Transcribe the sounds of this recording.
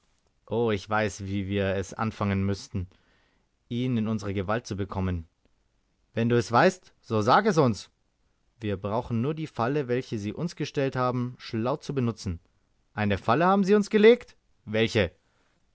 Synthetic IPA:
ʔoːɪçv̥aɪsv̥iːviːɐɛsʔa̰nfaŋənmʏstn̩ | ʔiːnɪnʊnzəʁəɡəvalt̚t͡subəkʰɔmən | vɛnduːɛsv̥aɪstz̥oːzaːɡɛs̬ʊns | viːɐbʁaʊxn̩nuːɐdiːfaləvɛlçəziːʔʊnsɡ̥əʃtɛlthaːbm̩ʃlaʊt͡subənʊt͡sn̩ | ʔaɪnəfaləhaːbm̩ziːʊnsɡ̥əleːkt | vɛlçə

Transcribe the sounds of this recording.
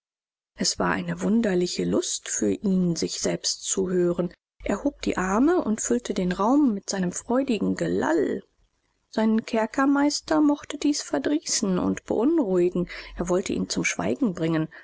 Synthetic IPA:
ʔɛsv̥aːɐʔa̰ɪnəvʊndɐlɪçəlʊstfyːɐʔiːnzɪçz̥ɛlpstt͡suhøːʁən | ʔeɐhoːp̚d̥ḭːʔaɐməʔʊntfʏltʰədeːnʁaʊmːɪtz̥aɪnəmfʁ̥ɔʏdɪɡŋ̩ɡəla̰l | z̥aɪnənkʰɛɐkʰɐmaɪstɐmɔχtədiːsfɛɐdʁiːsn̩ʊ̰ntb̥ə̰ʔʊnʁʊɪɡŋ̩ʔeːɐvɔltʰəʔḭːnt͡sʊmʃv̥a̰ɪɡŋ̩bʁɪŋən

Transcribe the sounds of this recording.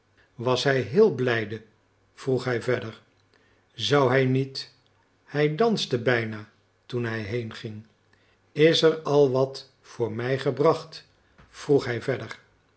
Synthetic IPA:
ʋɑsɦɛjɦɪːlˠblɛjdə | v̥ruχɦɛjvɛdəɹ | zɑwɦɛjnit | hɛjdɑnstəbɛjna | tunɦɛjɦejnχɪŋ | ɪsəɹɑlˠʋɑt | fʊːɹmɛjχəbrɑχt | fruχɦɛjvɛdər

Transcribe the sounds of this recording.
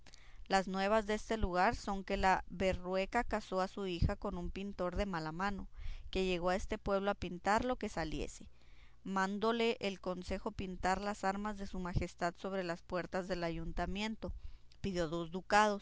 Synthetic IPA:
laznwe̞β̞azðeest̪e̞luɣ̞aɾso̞ŋke̞laβe̞rwe̞kakaso̞asuixako̞numpint̪o̞ɾðe̞malamãno̞ke̞ʝe̞ɣo̞ae̞st̪e̞pwe̞β̞lo̞apint̪aɾlo̞ke̞saljḛse̞̥ | mãnd̪o̞le̞ʔelko̞nse̞xo̞pint̪aɾlasaɾmazðe̞sumaxe̞st̪aðso̞β̞ɾe̞laspwe̞ɾt̪azðe̞laʝunt̪amje̞nt̪o̞piðjo̞ðo̞zd̪ukaðo̞s

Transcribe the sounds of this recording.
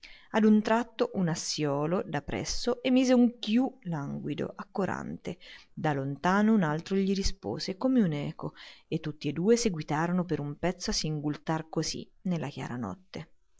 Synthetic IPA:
ad̪unt̪ɾat̪ːoʔunasjɔːlod̪apːɾɛ̰sːoʔemːiːzeuŋkjulaŋɡwid̪o̰ʔakːoɾa̰nt̪ed̪alont̪aːnounalt̪ɾoʎiɾispo̰ːzekomeunɛːkoet̪ːut̪ːied̪ːuːeseɡwit̪aːɾonopeɾumpɛt̪sːoasːiŋɡult̪arkozḭ | nelːakja̰ːɾanɔ̰t̪ːe

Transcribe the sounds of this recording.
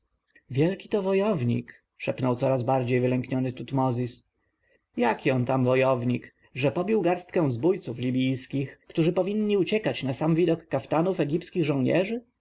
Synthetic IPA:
vʲjɛlkʲi̥t̪ɔvɔjɔvɲḭk | ʂɛpnɔwt̪sɔɾazbaɾd͡ʑejvɘlɛŋkɲɔnɘt̪ut̪mɔzʲis | jakʲiɔnt̪amvɔjɔvɲik | ʐɛpɔbʲiwɡaɾst̪̚kɛ̃w̃zbujt̪suflʲibʲijskʲixkt̪uʐɘpɔvʲiɲʲːiut͡ɕɛkat͡ɕnasamvʲid̪ɔkːaft̪anufɛɡʲipskʲiɣʐɔ̃w̃ɲɛ̰ʐɘ

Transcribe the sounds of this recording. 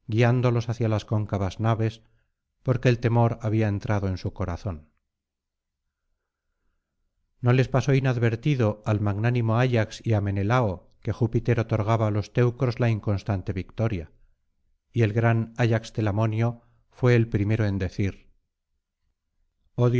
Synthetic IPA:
ɡiand̪o̞lo̞saθjalasko̞ŋkaβaznaβe̞s | po̞ɾke̞ːlt̪e̞mo̞ɾaβiae̞nt̪ɾaðo̞e̞nsuko̞ɾaθo̞n | no̞le̞spaso̞inaðβe̞ɾt̪iðo̞almaɣnanimo̞aʎaksiame̞ne̞lao | ke̞xupit̪e̞ɾo̞t̪o̞ɾɣ̞aβaːlo̞st̪e̞wkɾo̞zlaiŋko̞nst̪ant̪e̞βikt̪o̞ɾja | ie̞lɣɾanaʎakst̪e̞lamo̞njo̞ | fwe̞ːlpɾime̞ɾoe̞nd̪e̞θiɾ | oð

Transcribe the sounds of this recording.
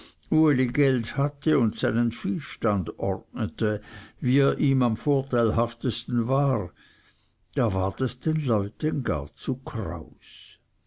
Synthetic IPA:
uəliɡɛlthatʰəʊntsaɪnənfiːʃtandʔɔʁtnətəviːeːɐʔiːmamfoːɐtʰaɪlɦaftəstn̩vaːʁ | d̥aːvaːʁtɛsd̥enlɔʏtənɡa̰ːʁt͡sukʰʁa̰ʊs

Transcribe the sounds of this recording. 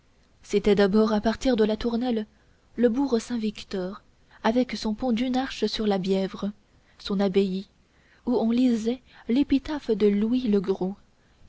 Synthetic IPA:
set̪ɛd̪abɔʁapaʁt̪iʁd̪əlat̪uʁnɛlː | əbuʁəsɛ̃vikt̪ɔʁ | avɛksɔ̃pɔ̃d̪ynaʁʃəsyʁlabjɛvʁə | sɔ̃nabeji | uɔ̃lizɛlepit̪afd̪əluwiləɡʁo

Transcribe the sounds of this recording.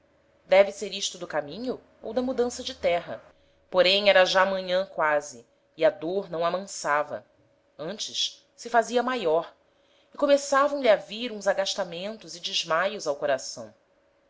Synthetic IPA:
d̪ɛvɪseɾiʃt̪ʊd̪ʊkamĩɲʊ | o̰wd̪ɐmud̪ɐ̃sɐd͡ʒɪt̪ɛɦɐ̰ | poɾẽj̃ɛɾɐʒaːmɐ̃ɲɐ̃kwazɪː | ad̪oɾnɐ̃w̃amɐ̃savɐ̰ | ɐ̃nt͡ʃɪʃ | sɪfaziɐmajɔɾ | ɪkomesavɐ̃w̃ʎiaviɾũzaɡaʃt̪amẽnt̪ʊzɪd͡ʒɪʒmajʊzawkoɾasɐ̰̃w̃

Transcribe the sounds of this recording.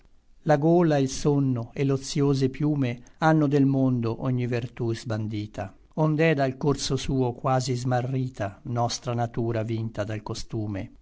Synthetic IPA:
laɡoːlailsonːoelːot̪sːjoːzepjuːmeanːʊd̪elmond̪oʔɔɲːivert̪uzband̪iːt̪ʰa | ond̪ɛd̪alkorsosuːokwaːzizmarːiːt̪anɔst̪ɾanat̪uːɾavint̪ad̪alkost̪uːmḛ

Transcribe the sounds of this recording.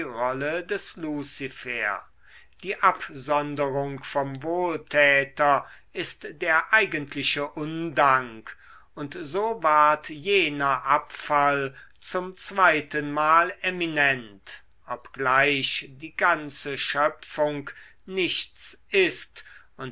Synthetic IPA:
ʁɔlədɛslusifeːɐ | d̥iːʔapzɔndəʁʊŋkfɔmvoːltʰɛːtɐ | ɪstd̥eːɐʔaɪɡəntʰlɪɕəʔʊndaŋk | ʊntzoːvaɐtjeːnɐʔapfalt͡sʊmt͡sv̥aɪtənmaːleminɛnt | ʔɔpɡ̥laɪʃd̥iːɡant͡səʃœpfʊŋk | nɪʃt͡sʔɪst | ʊn

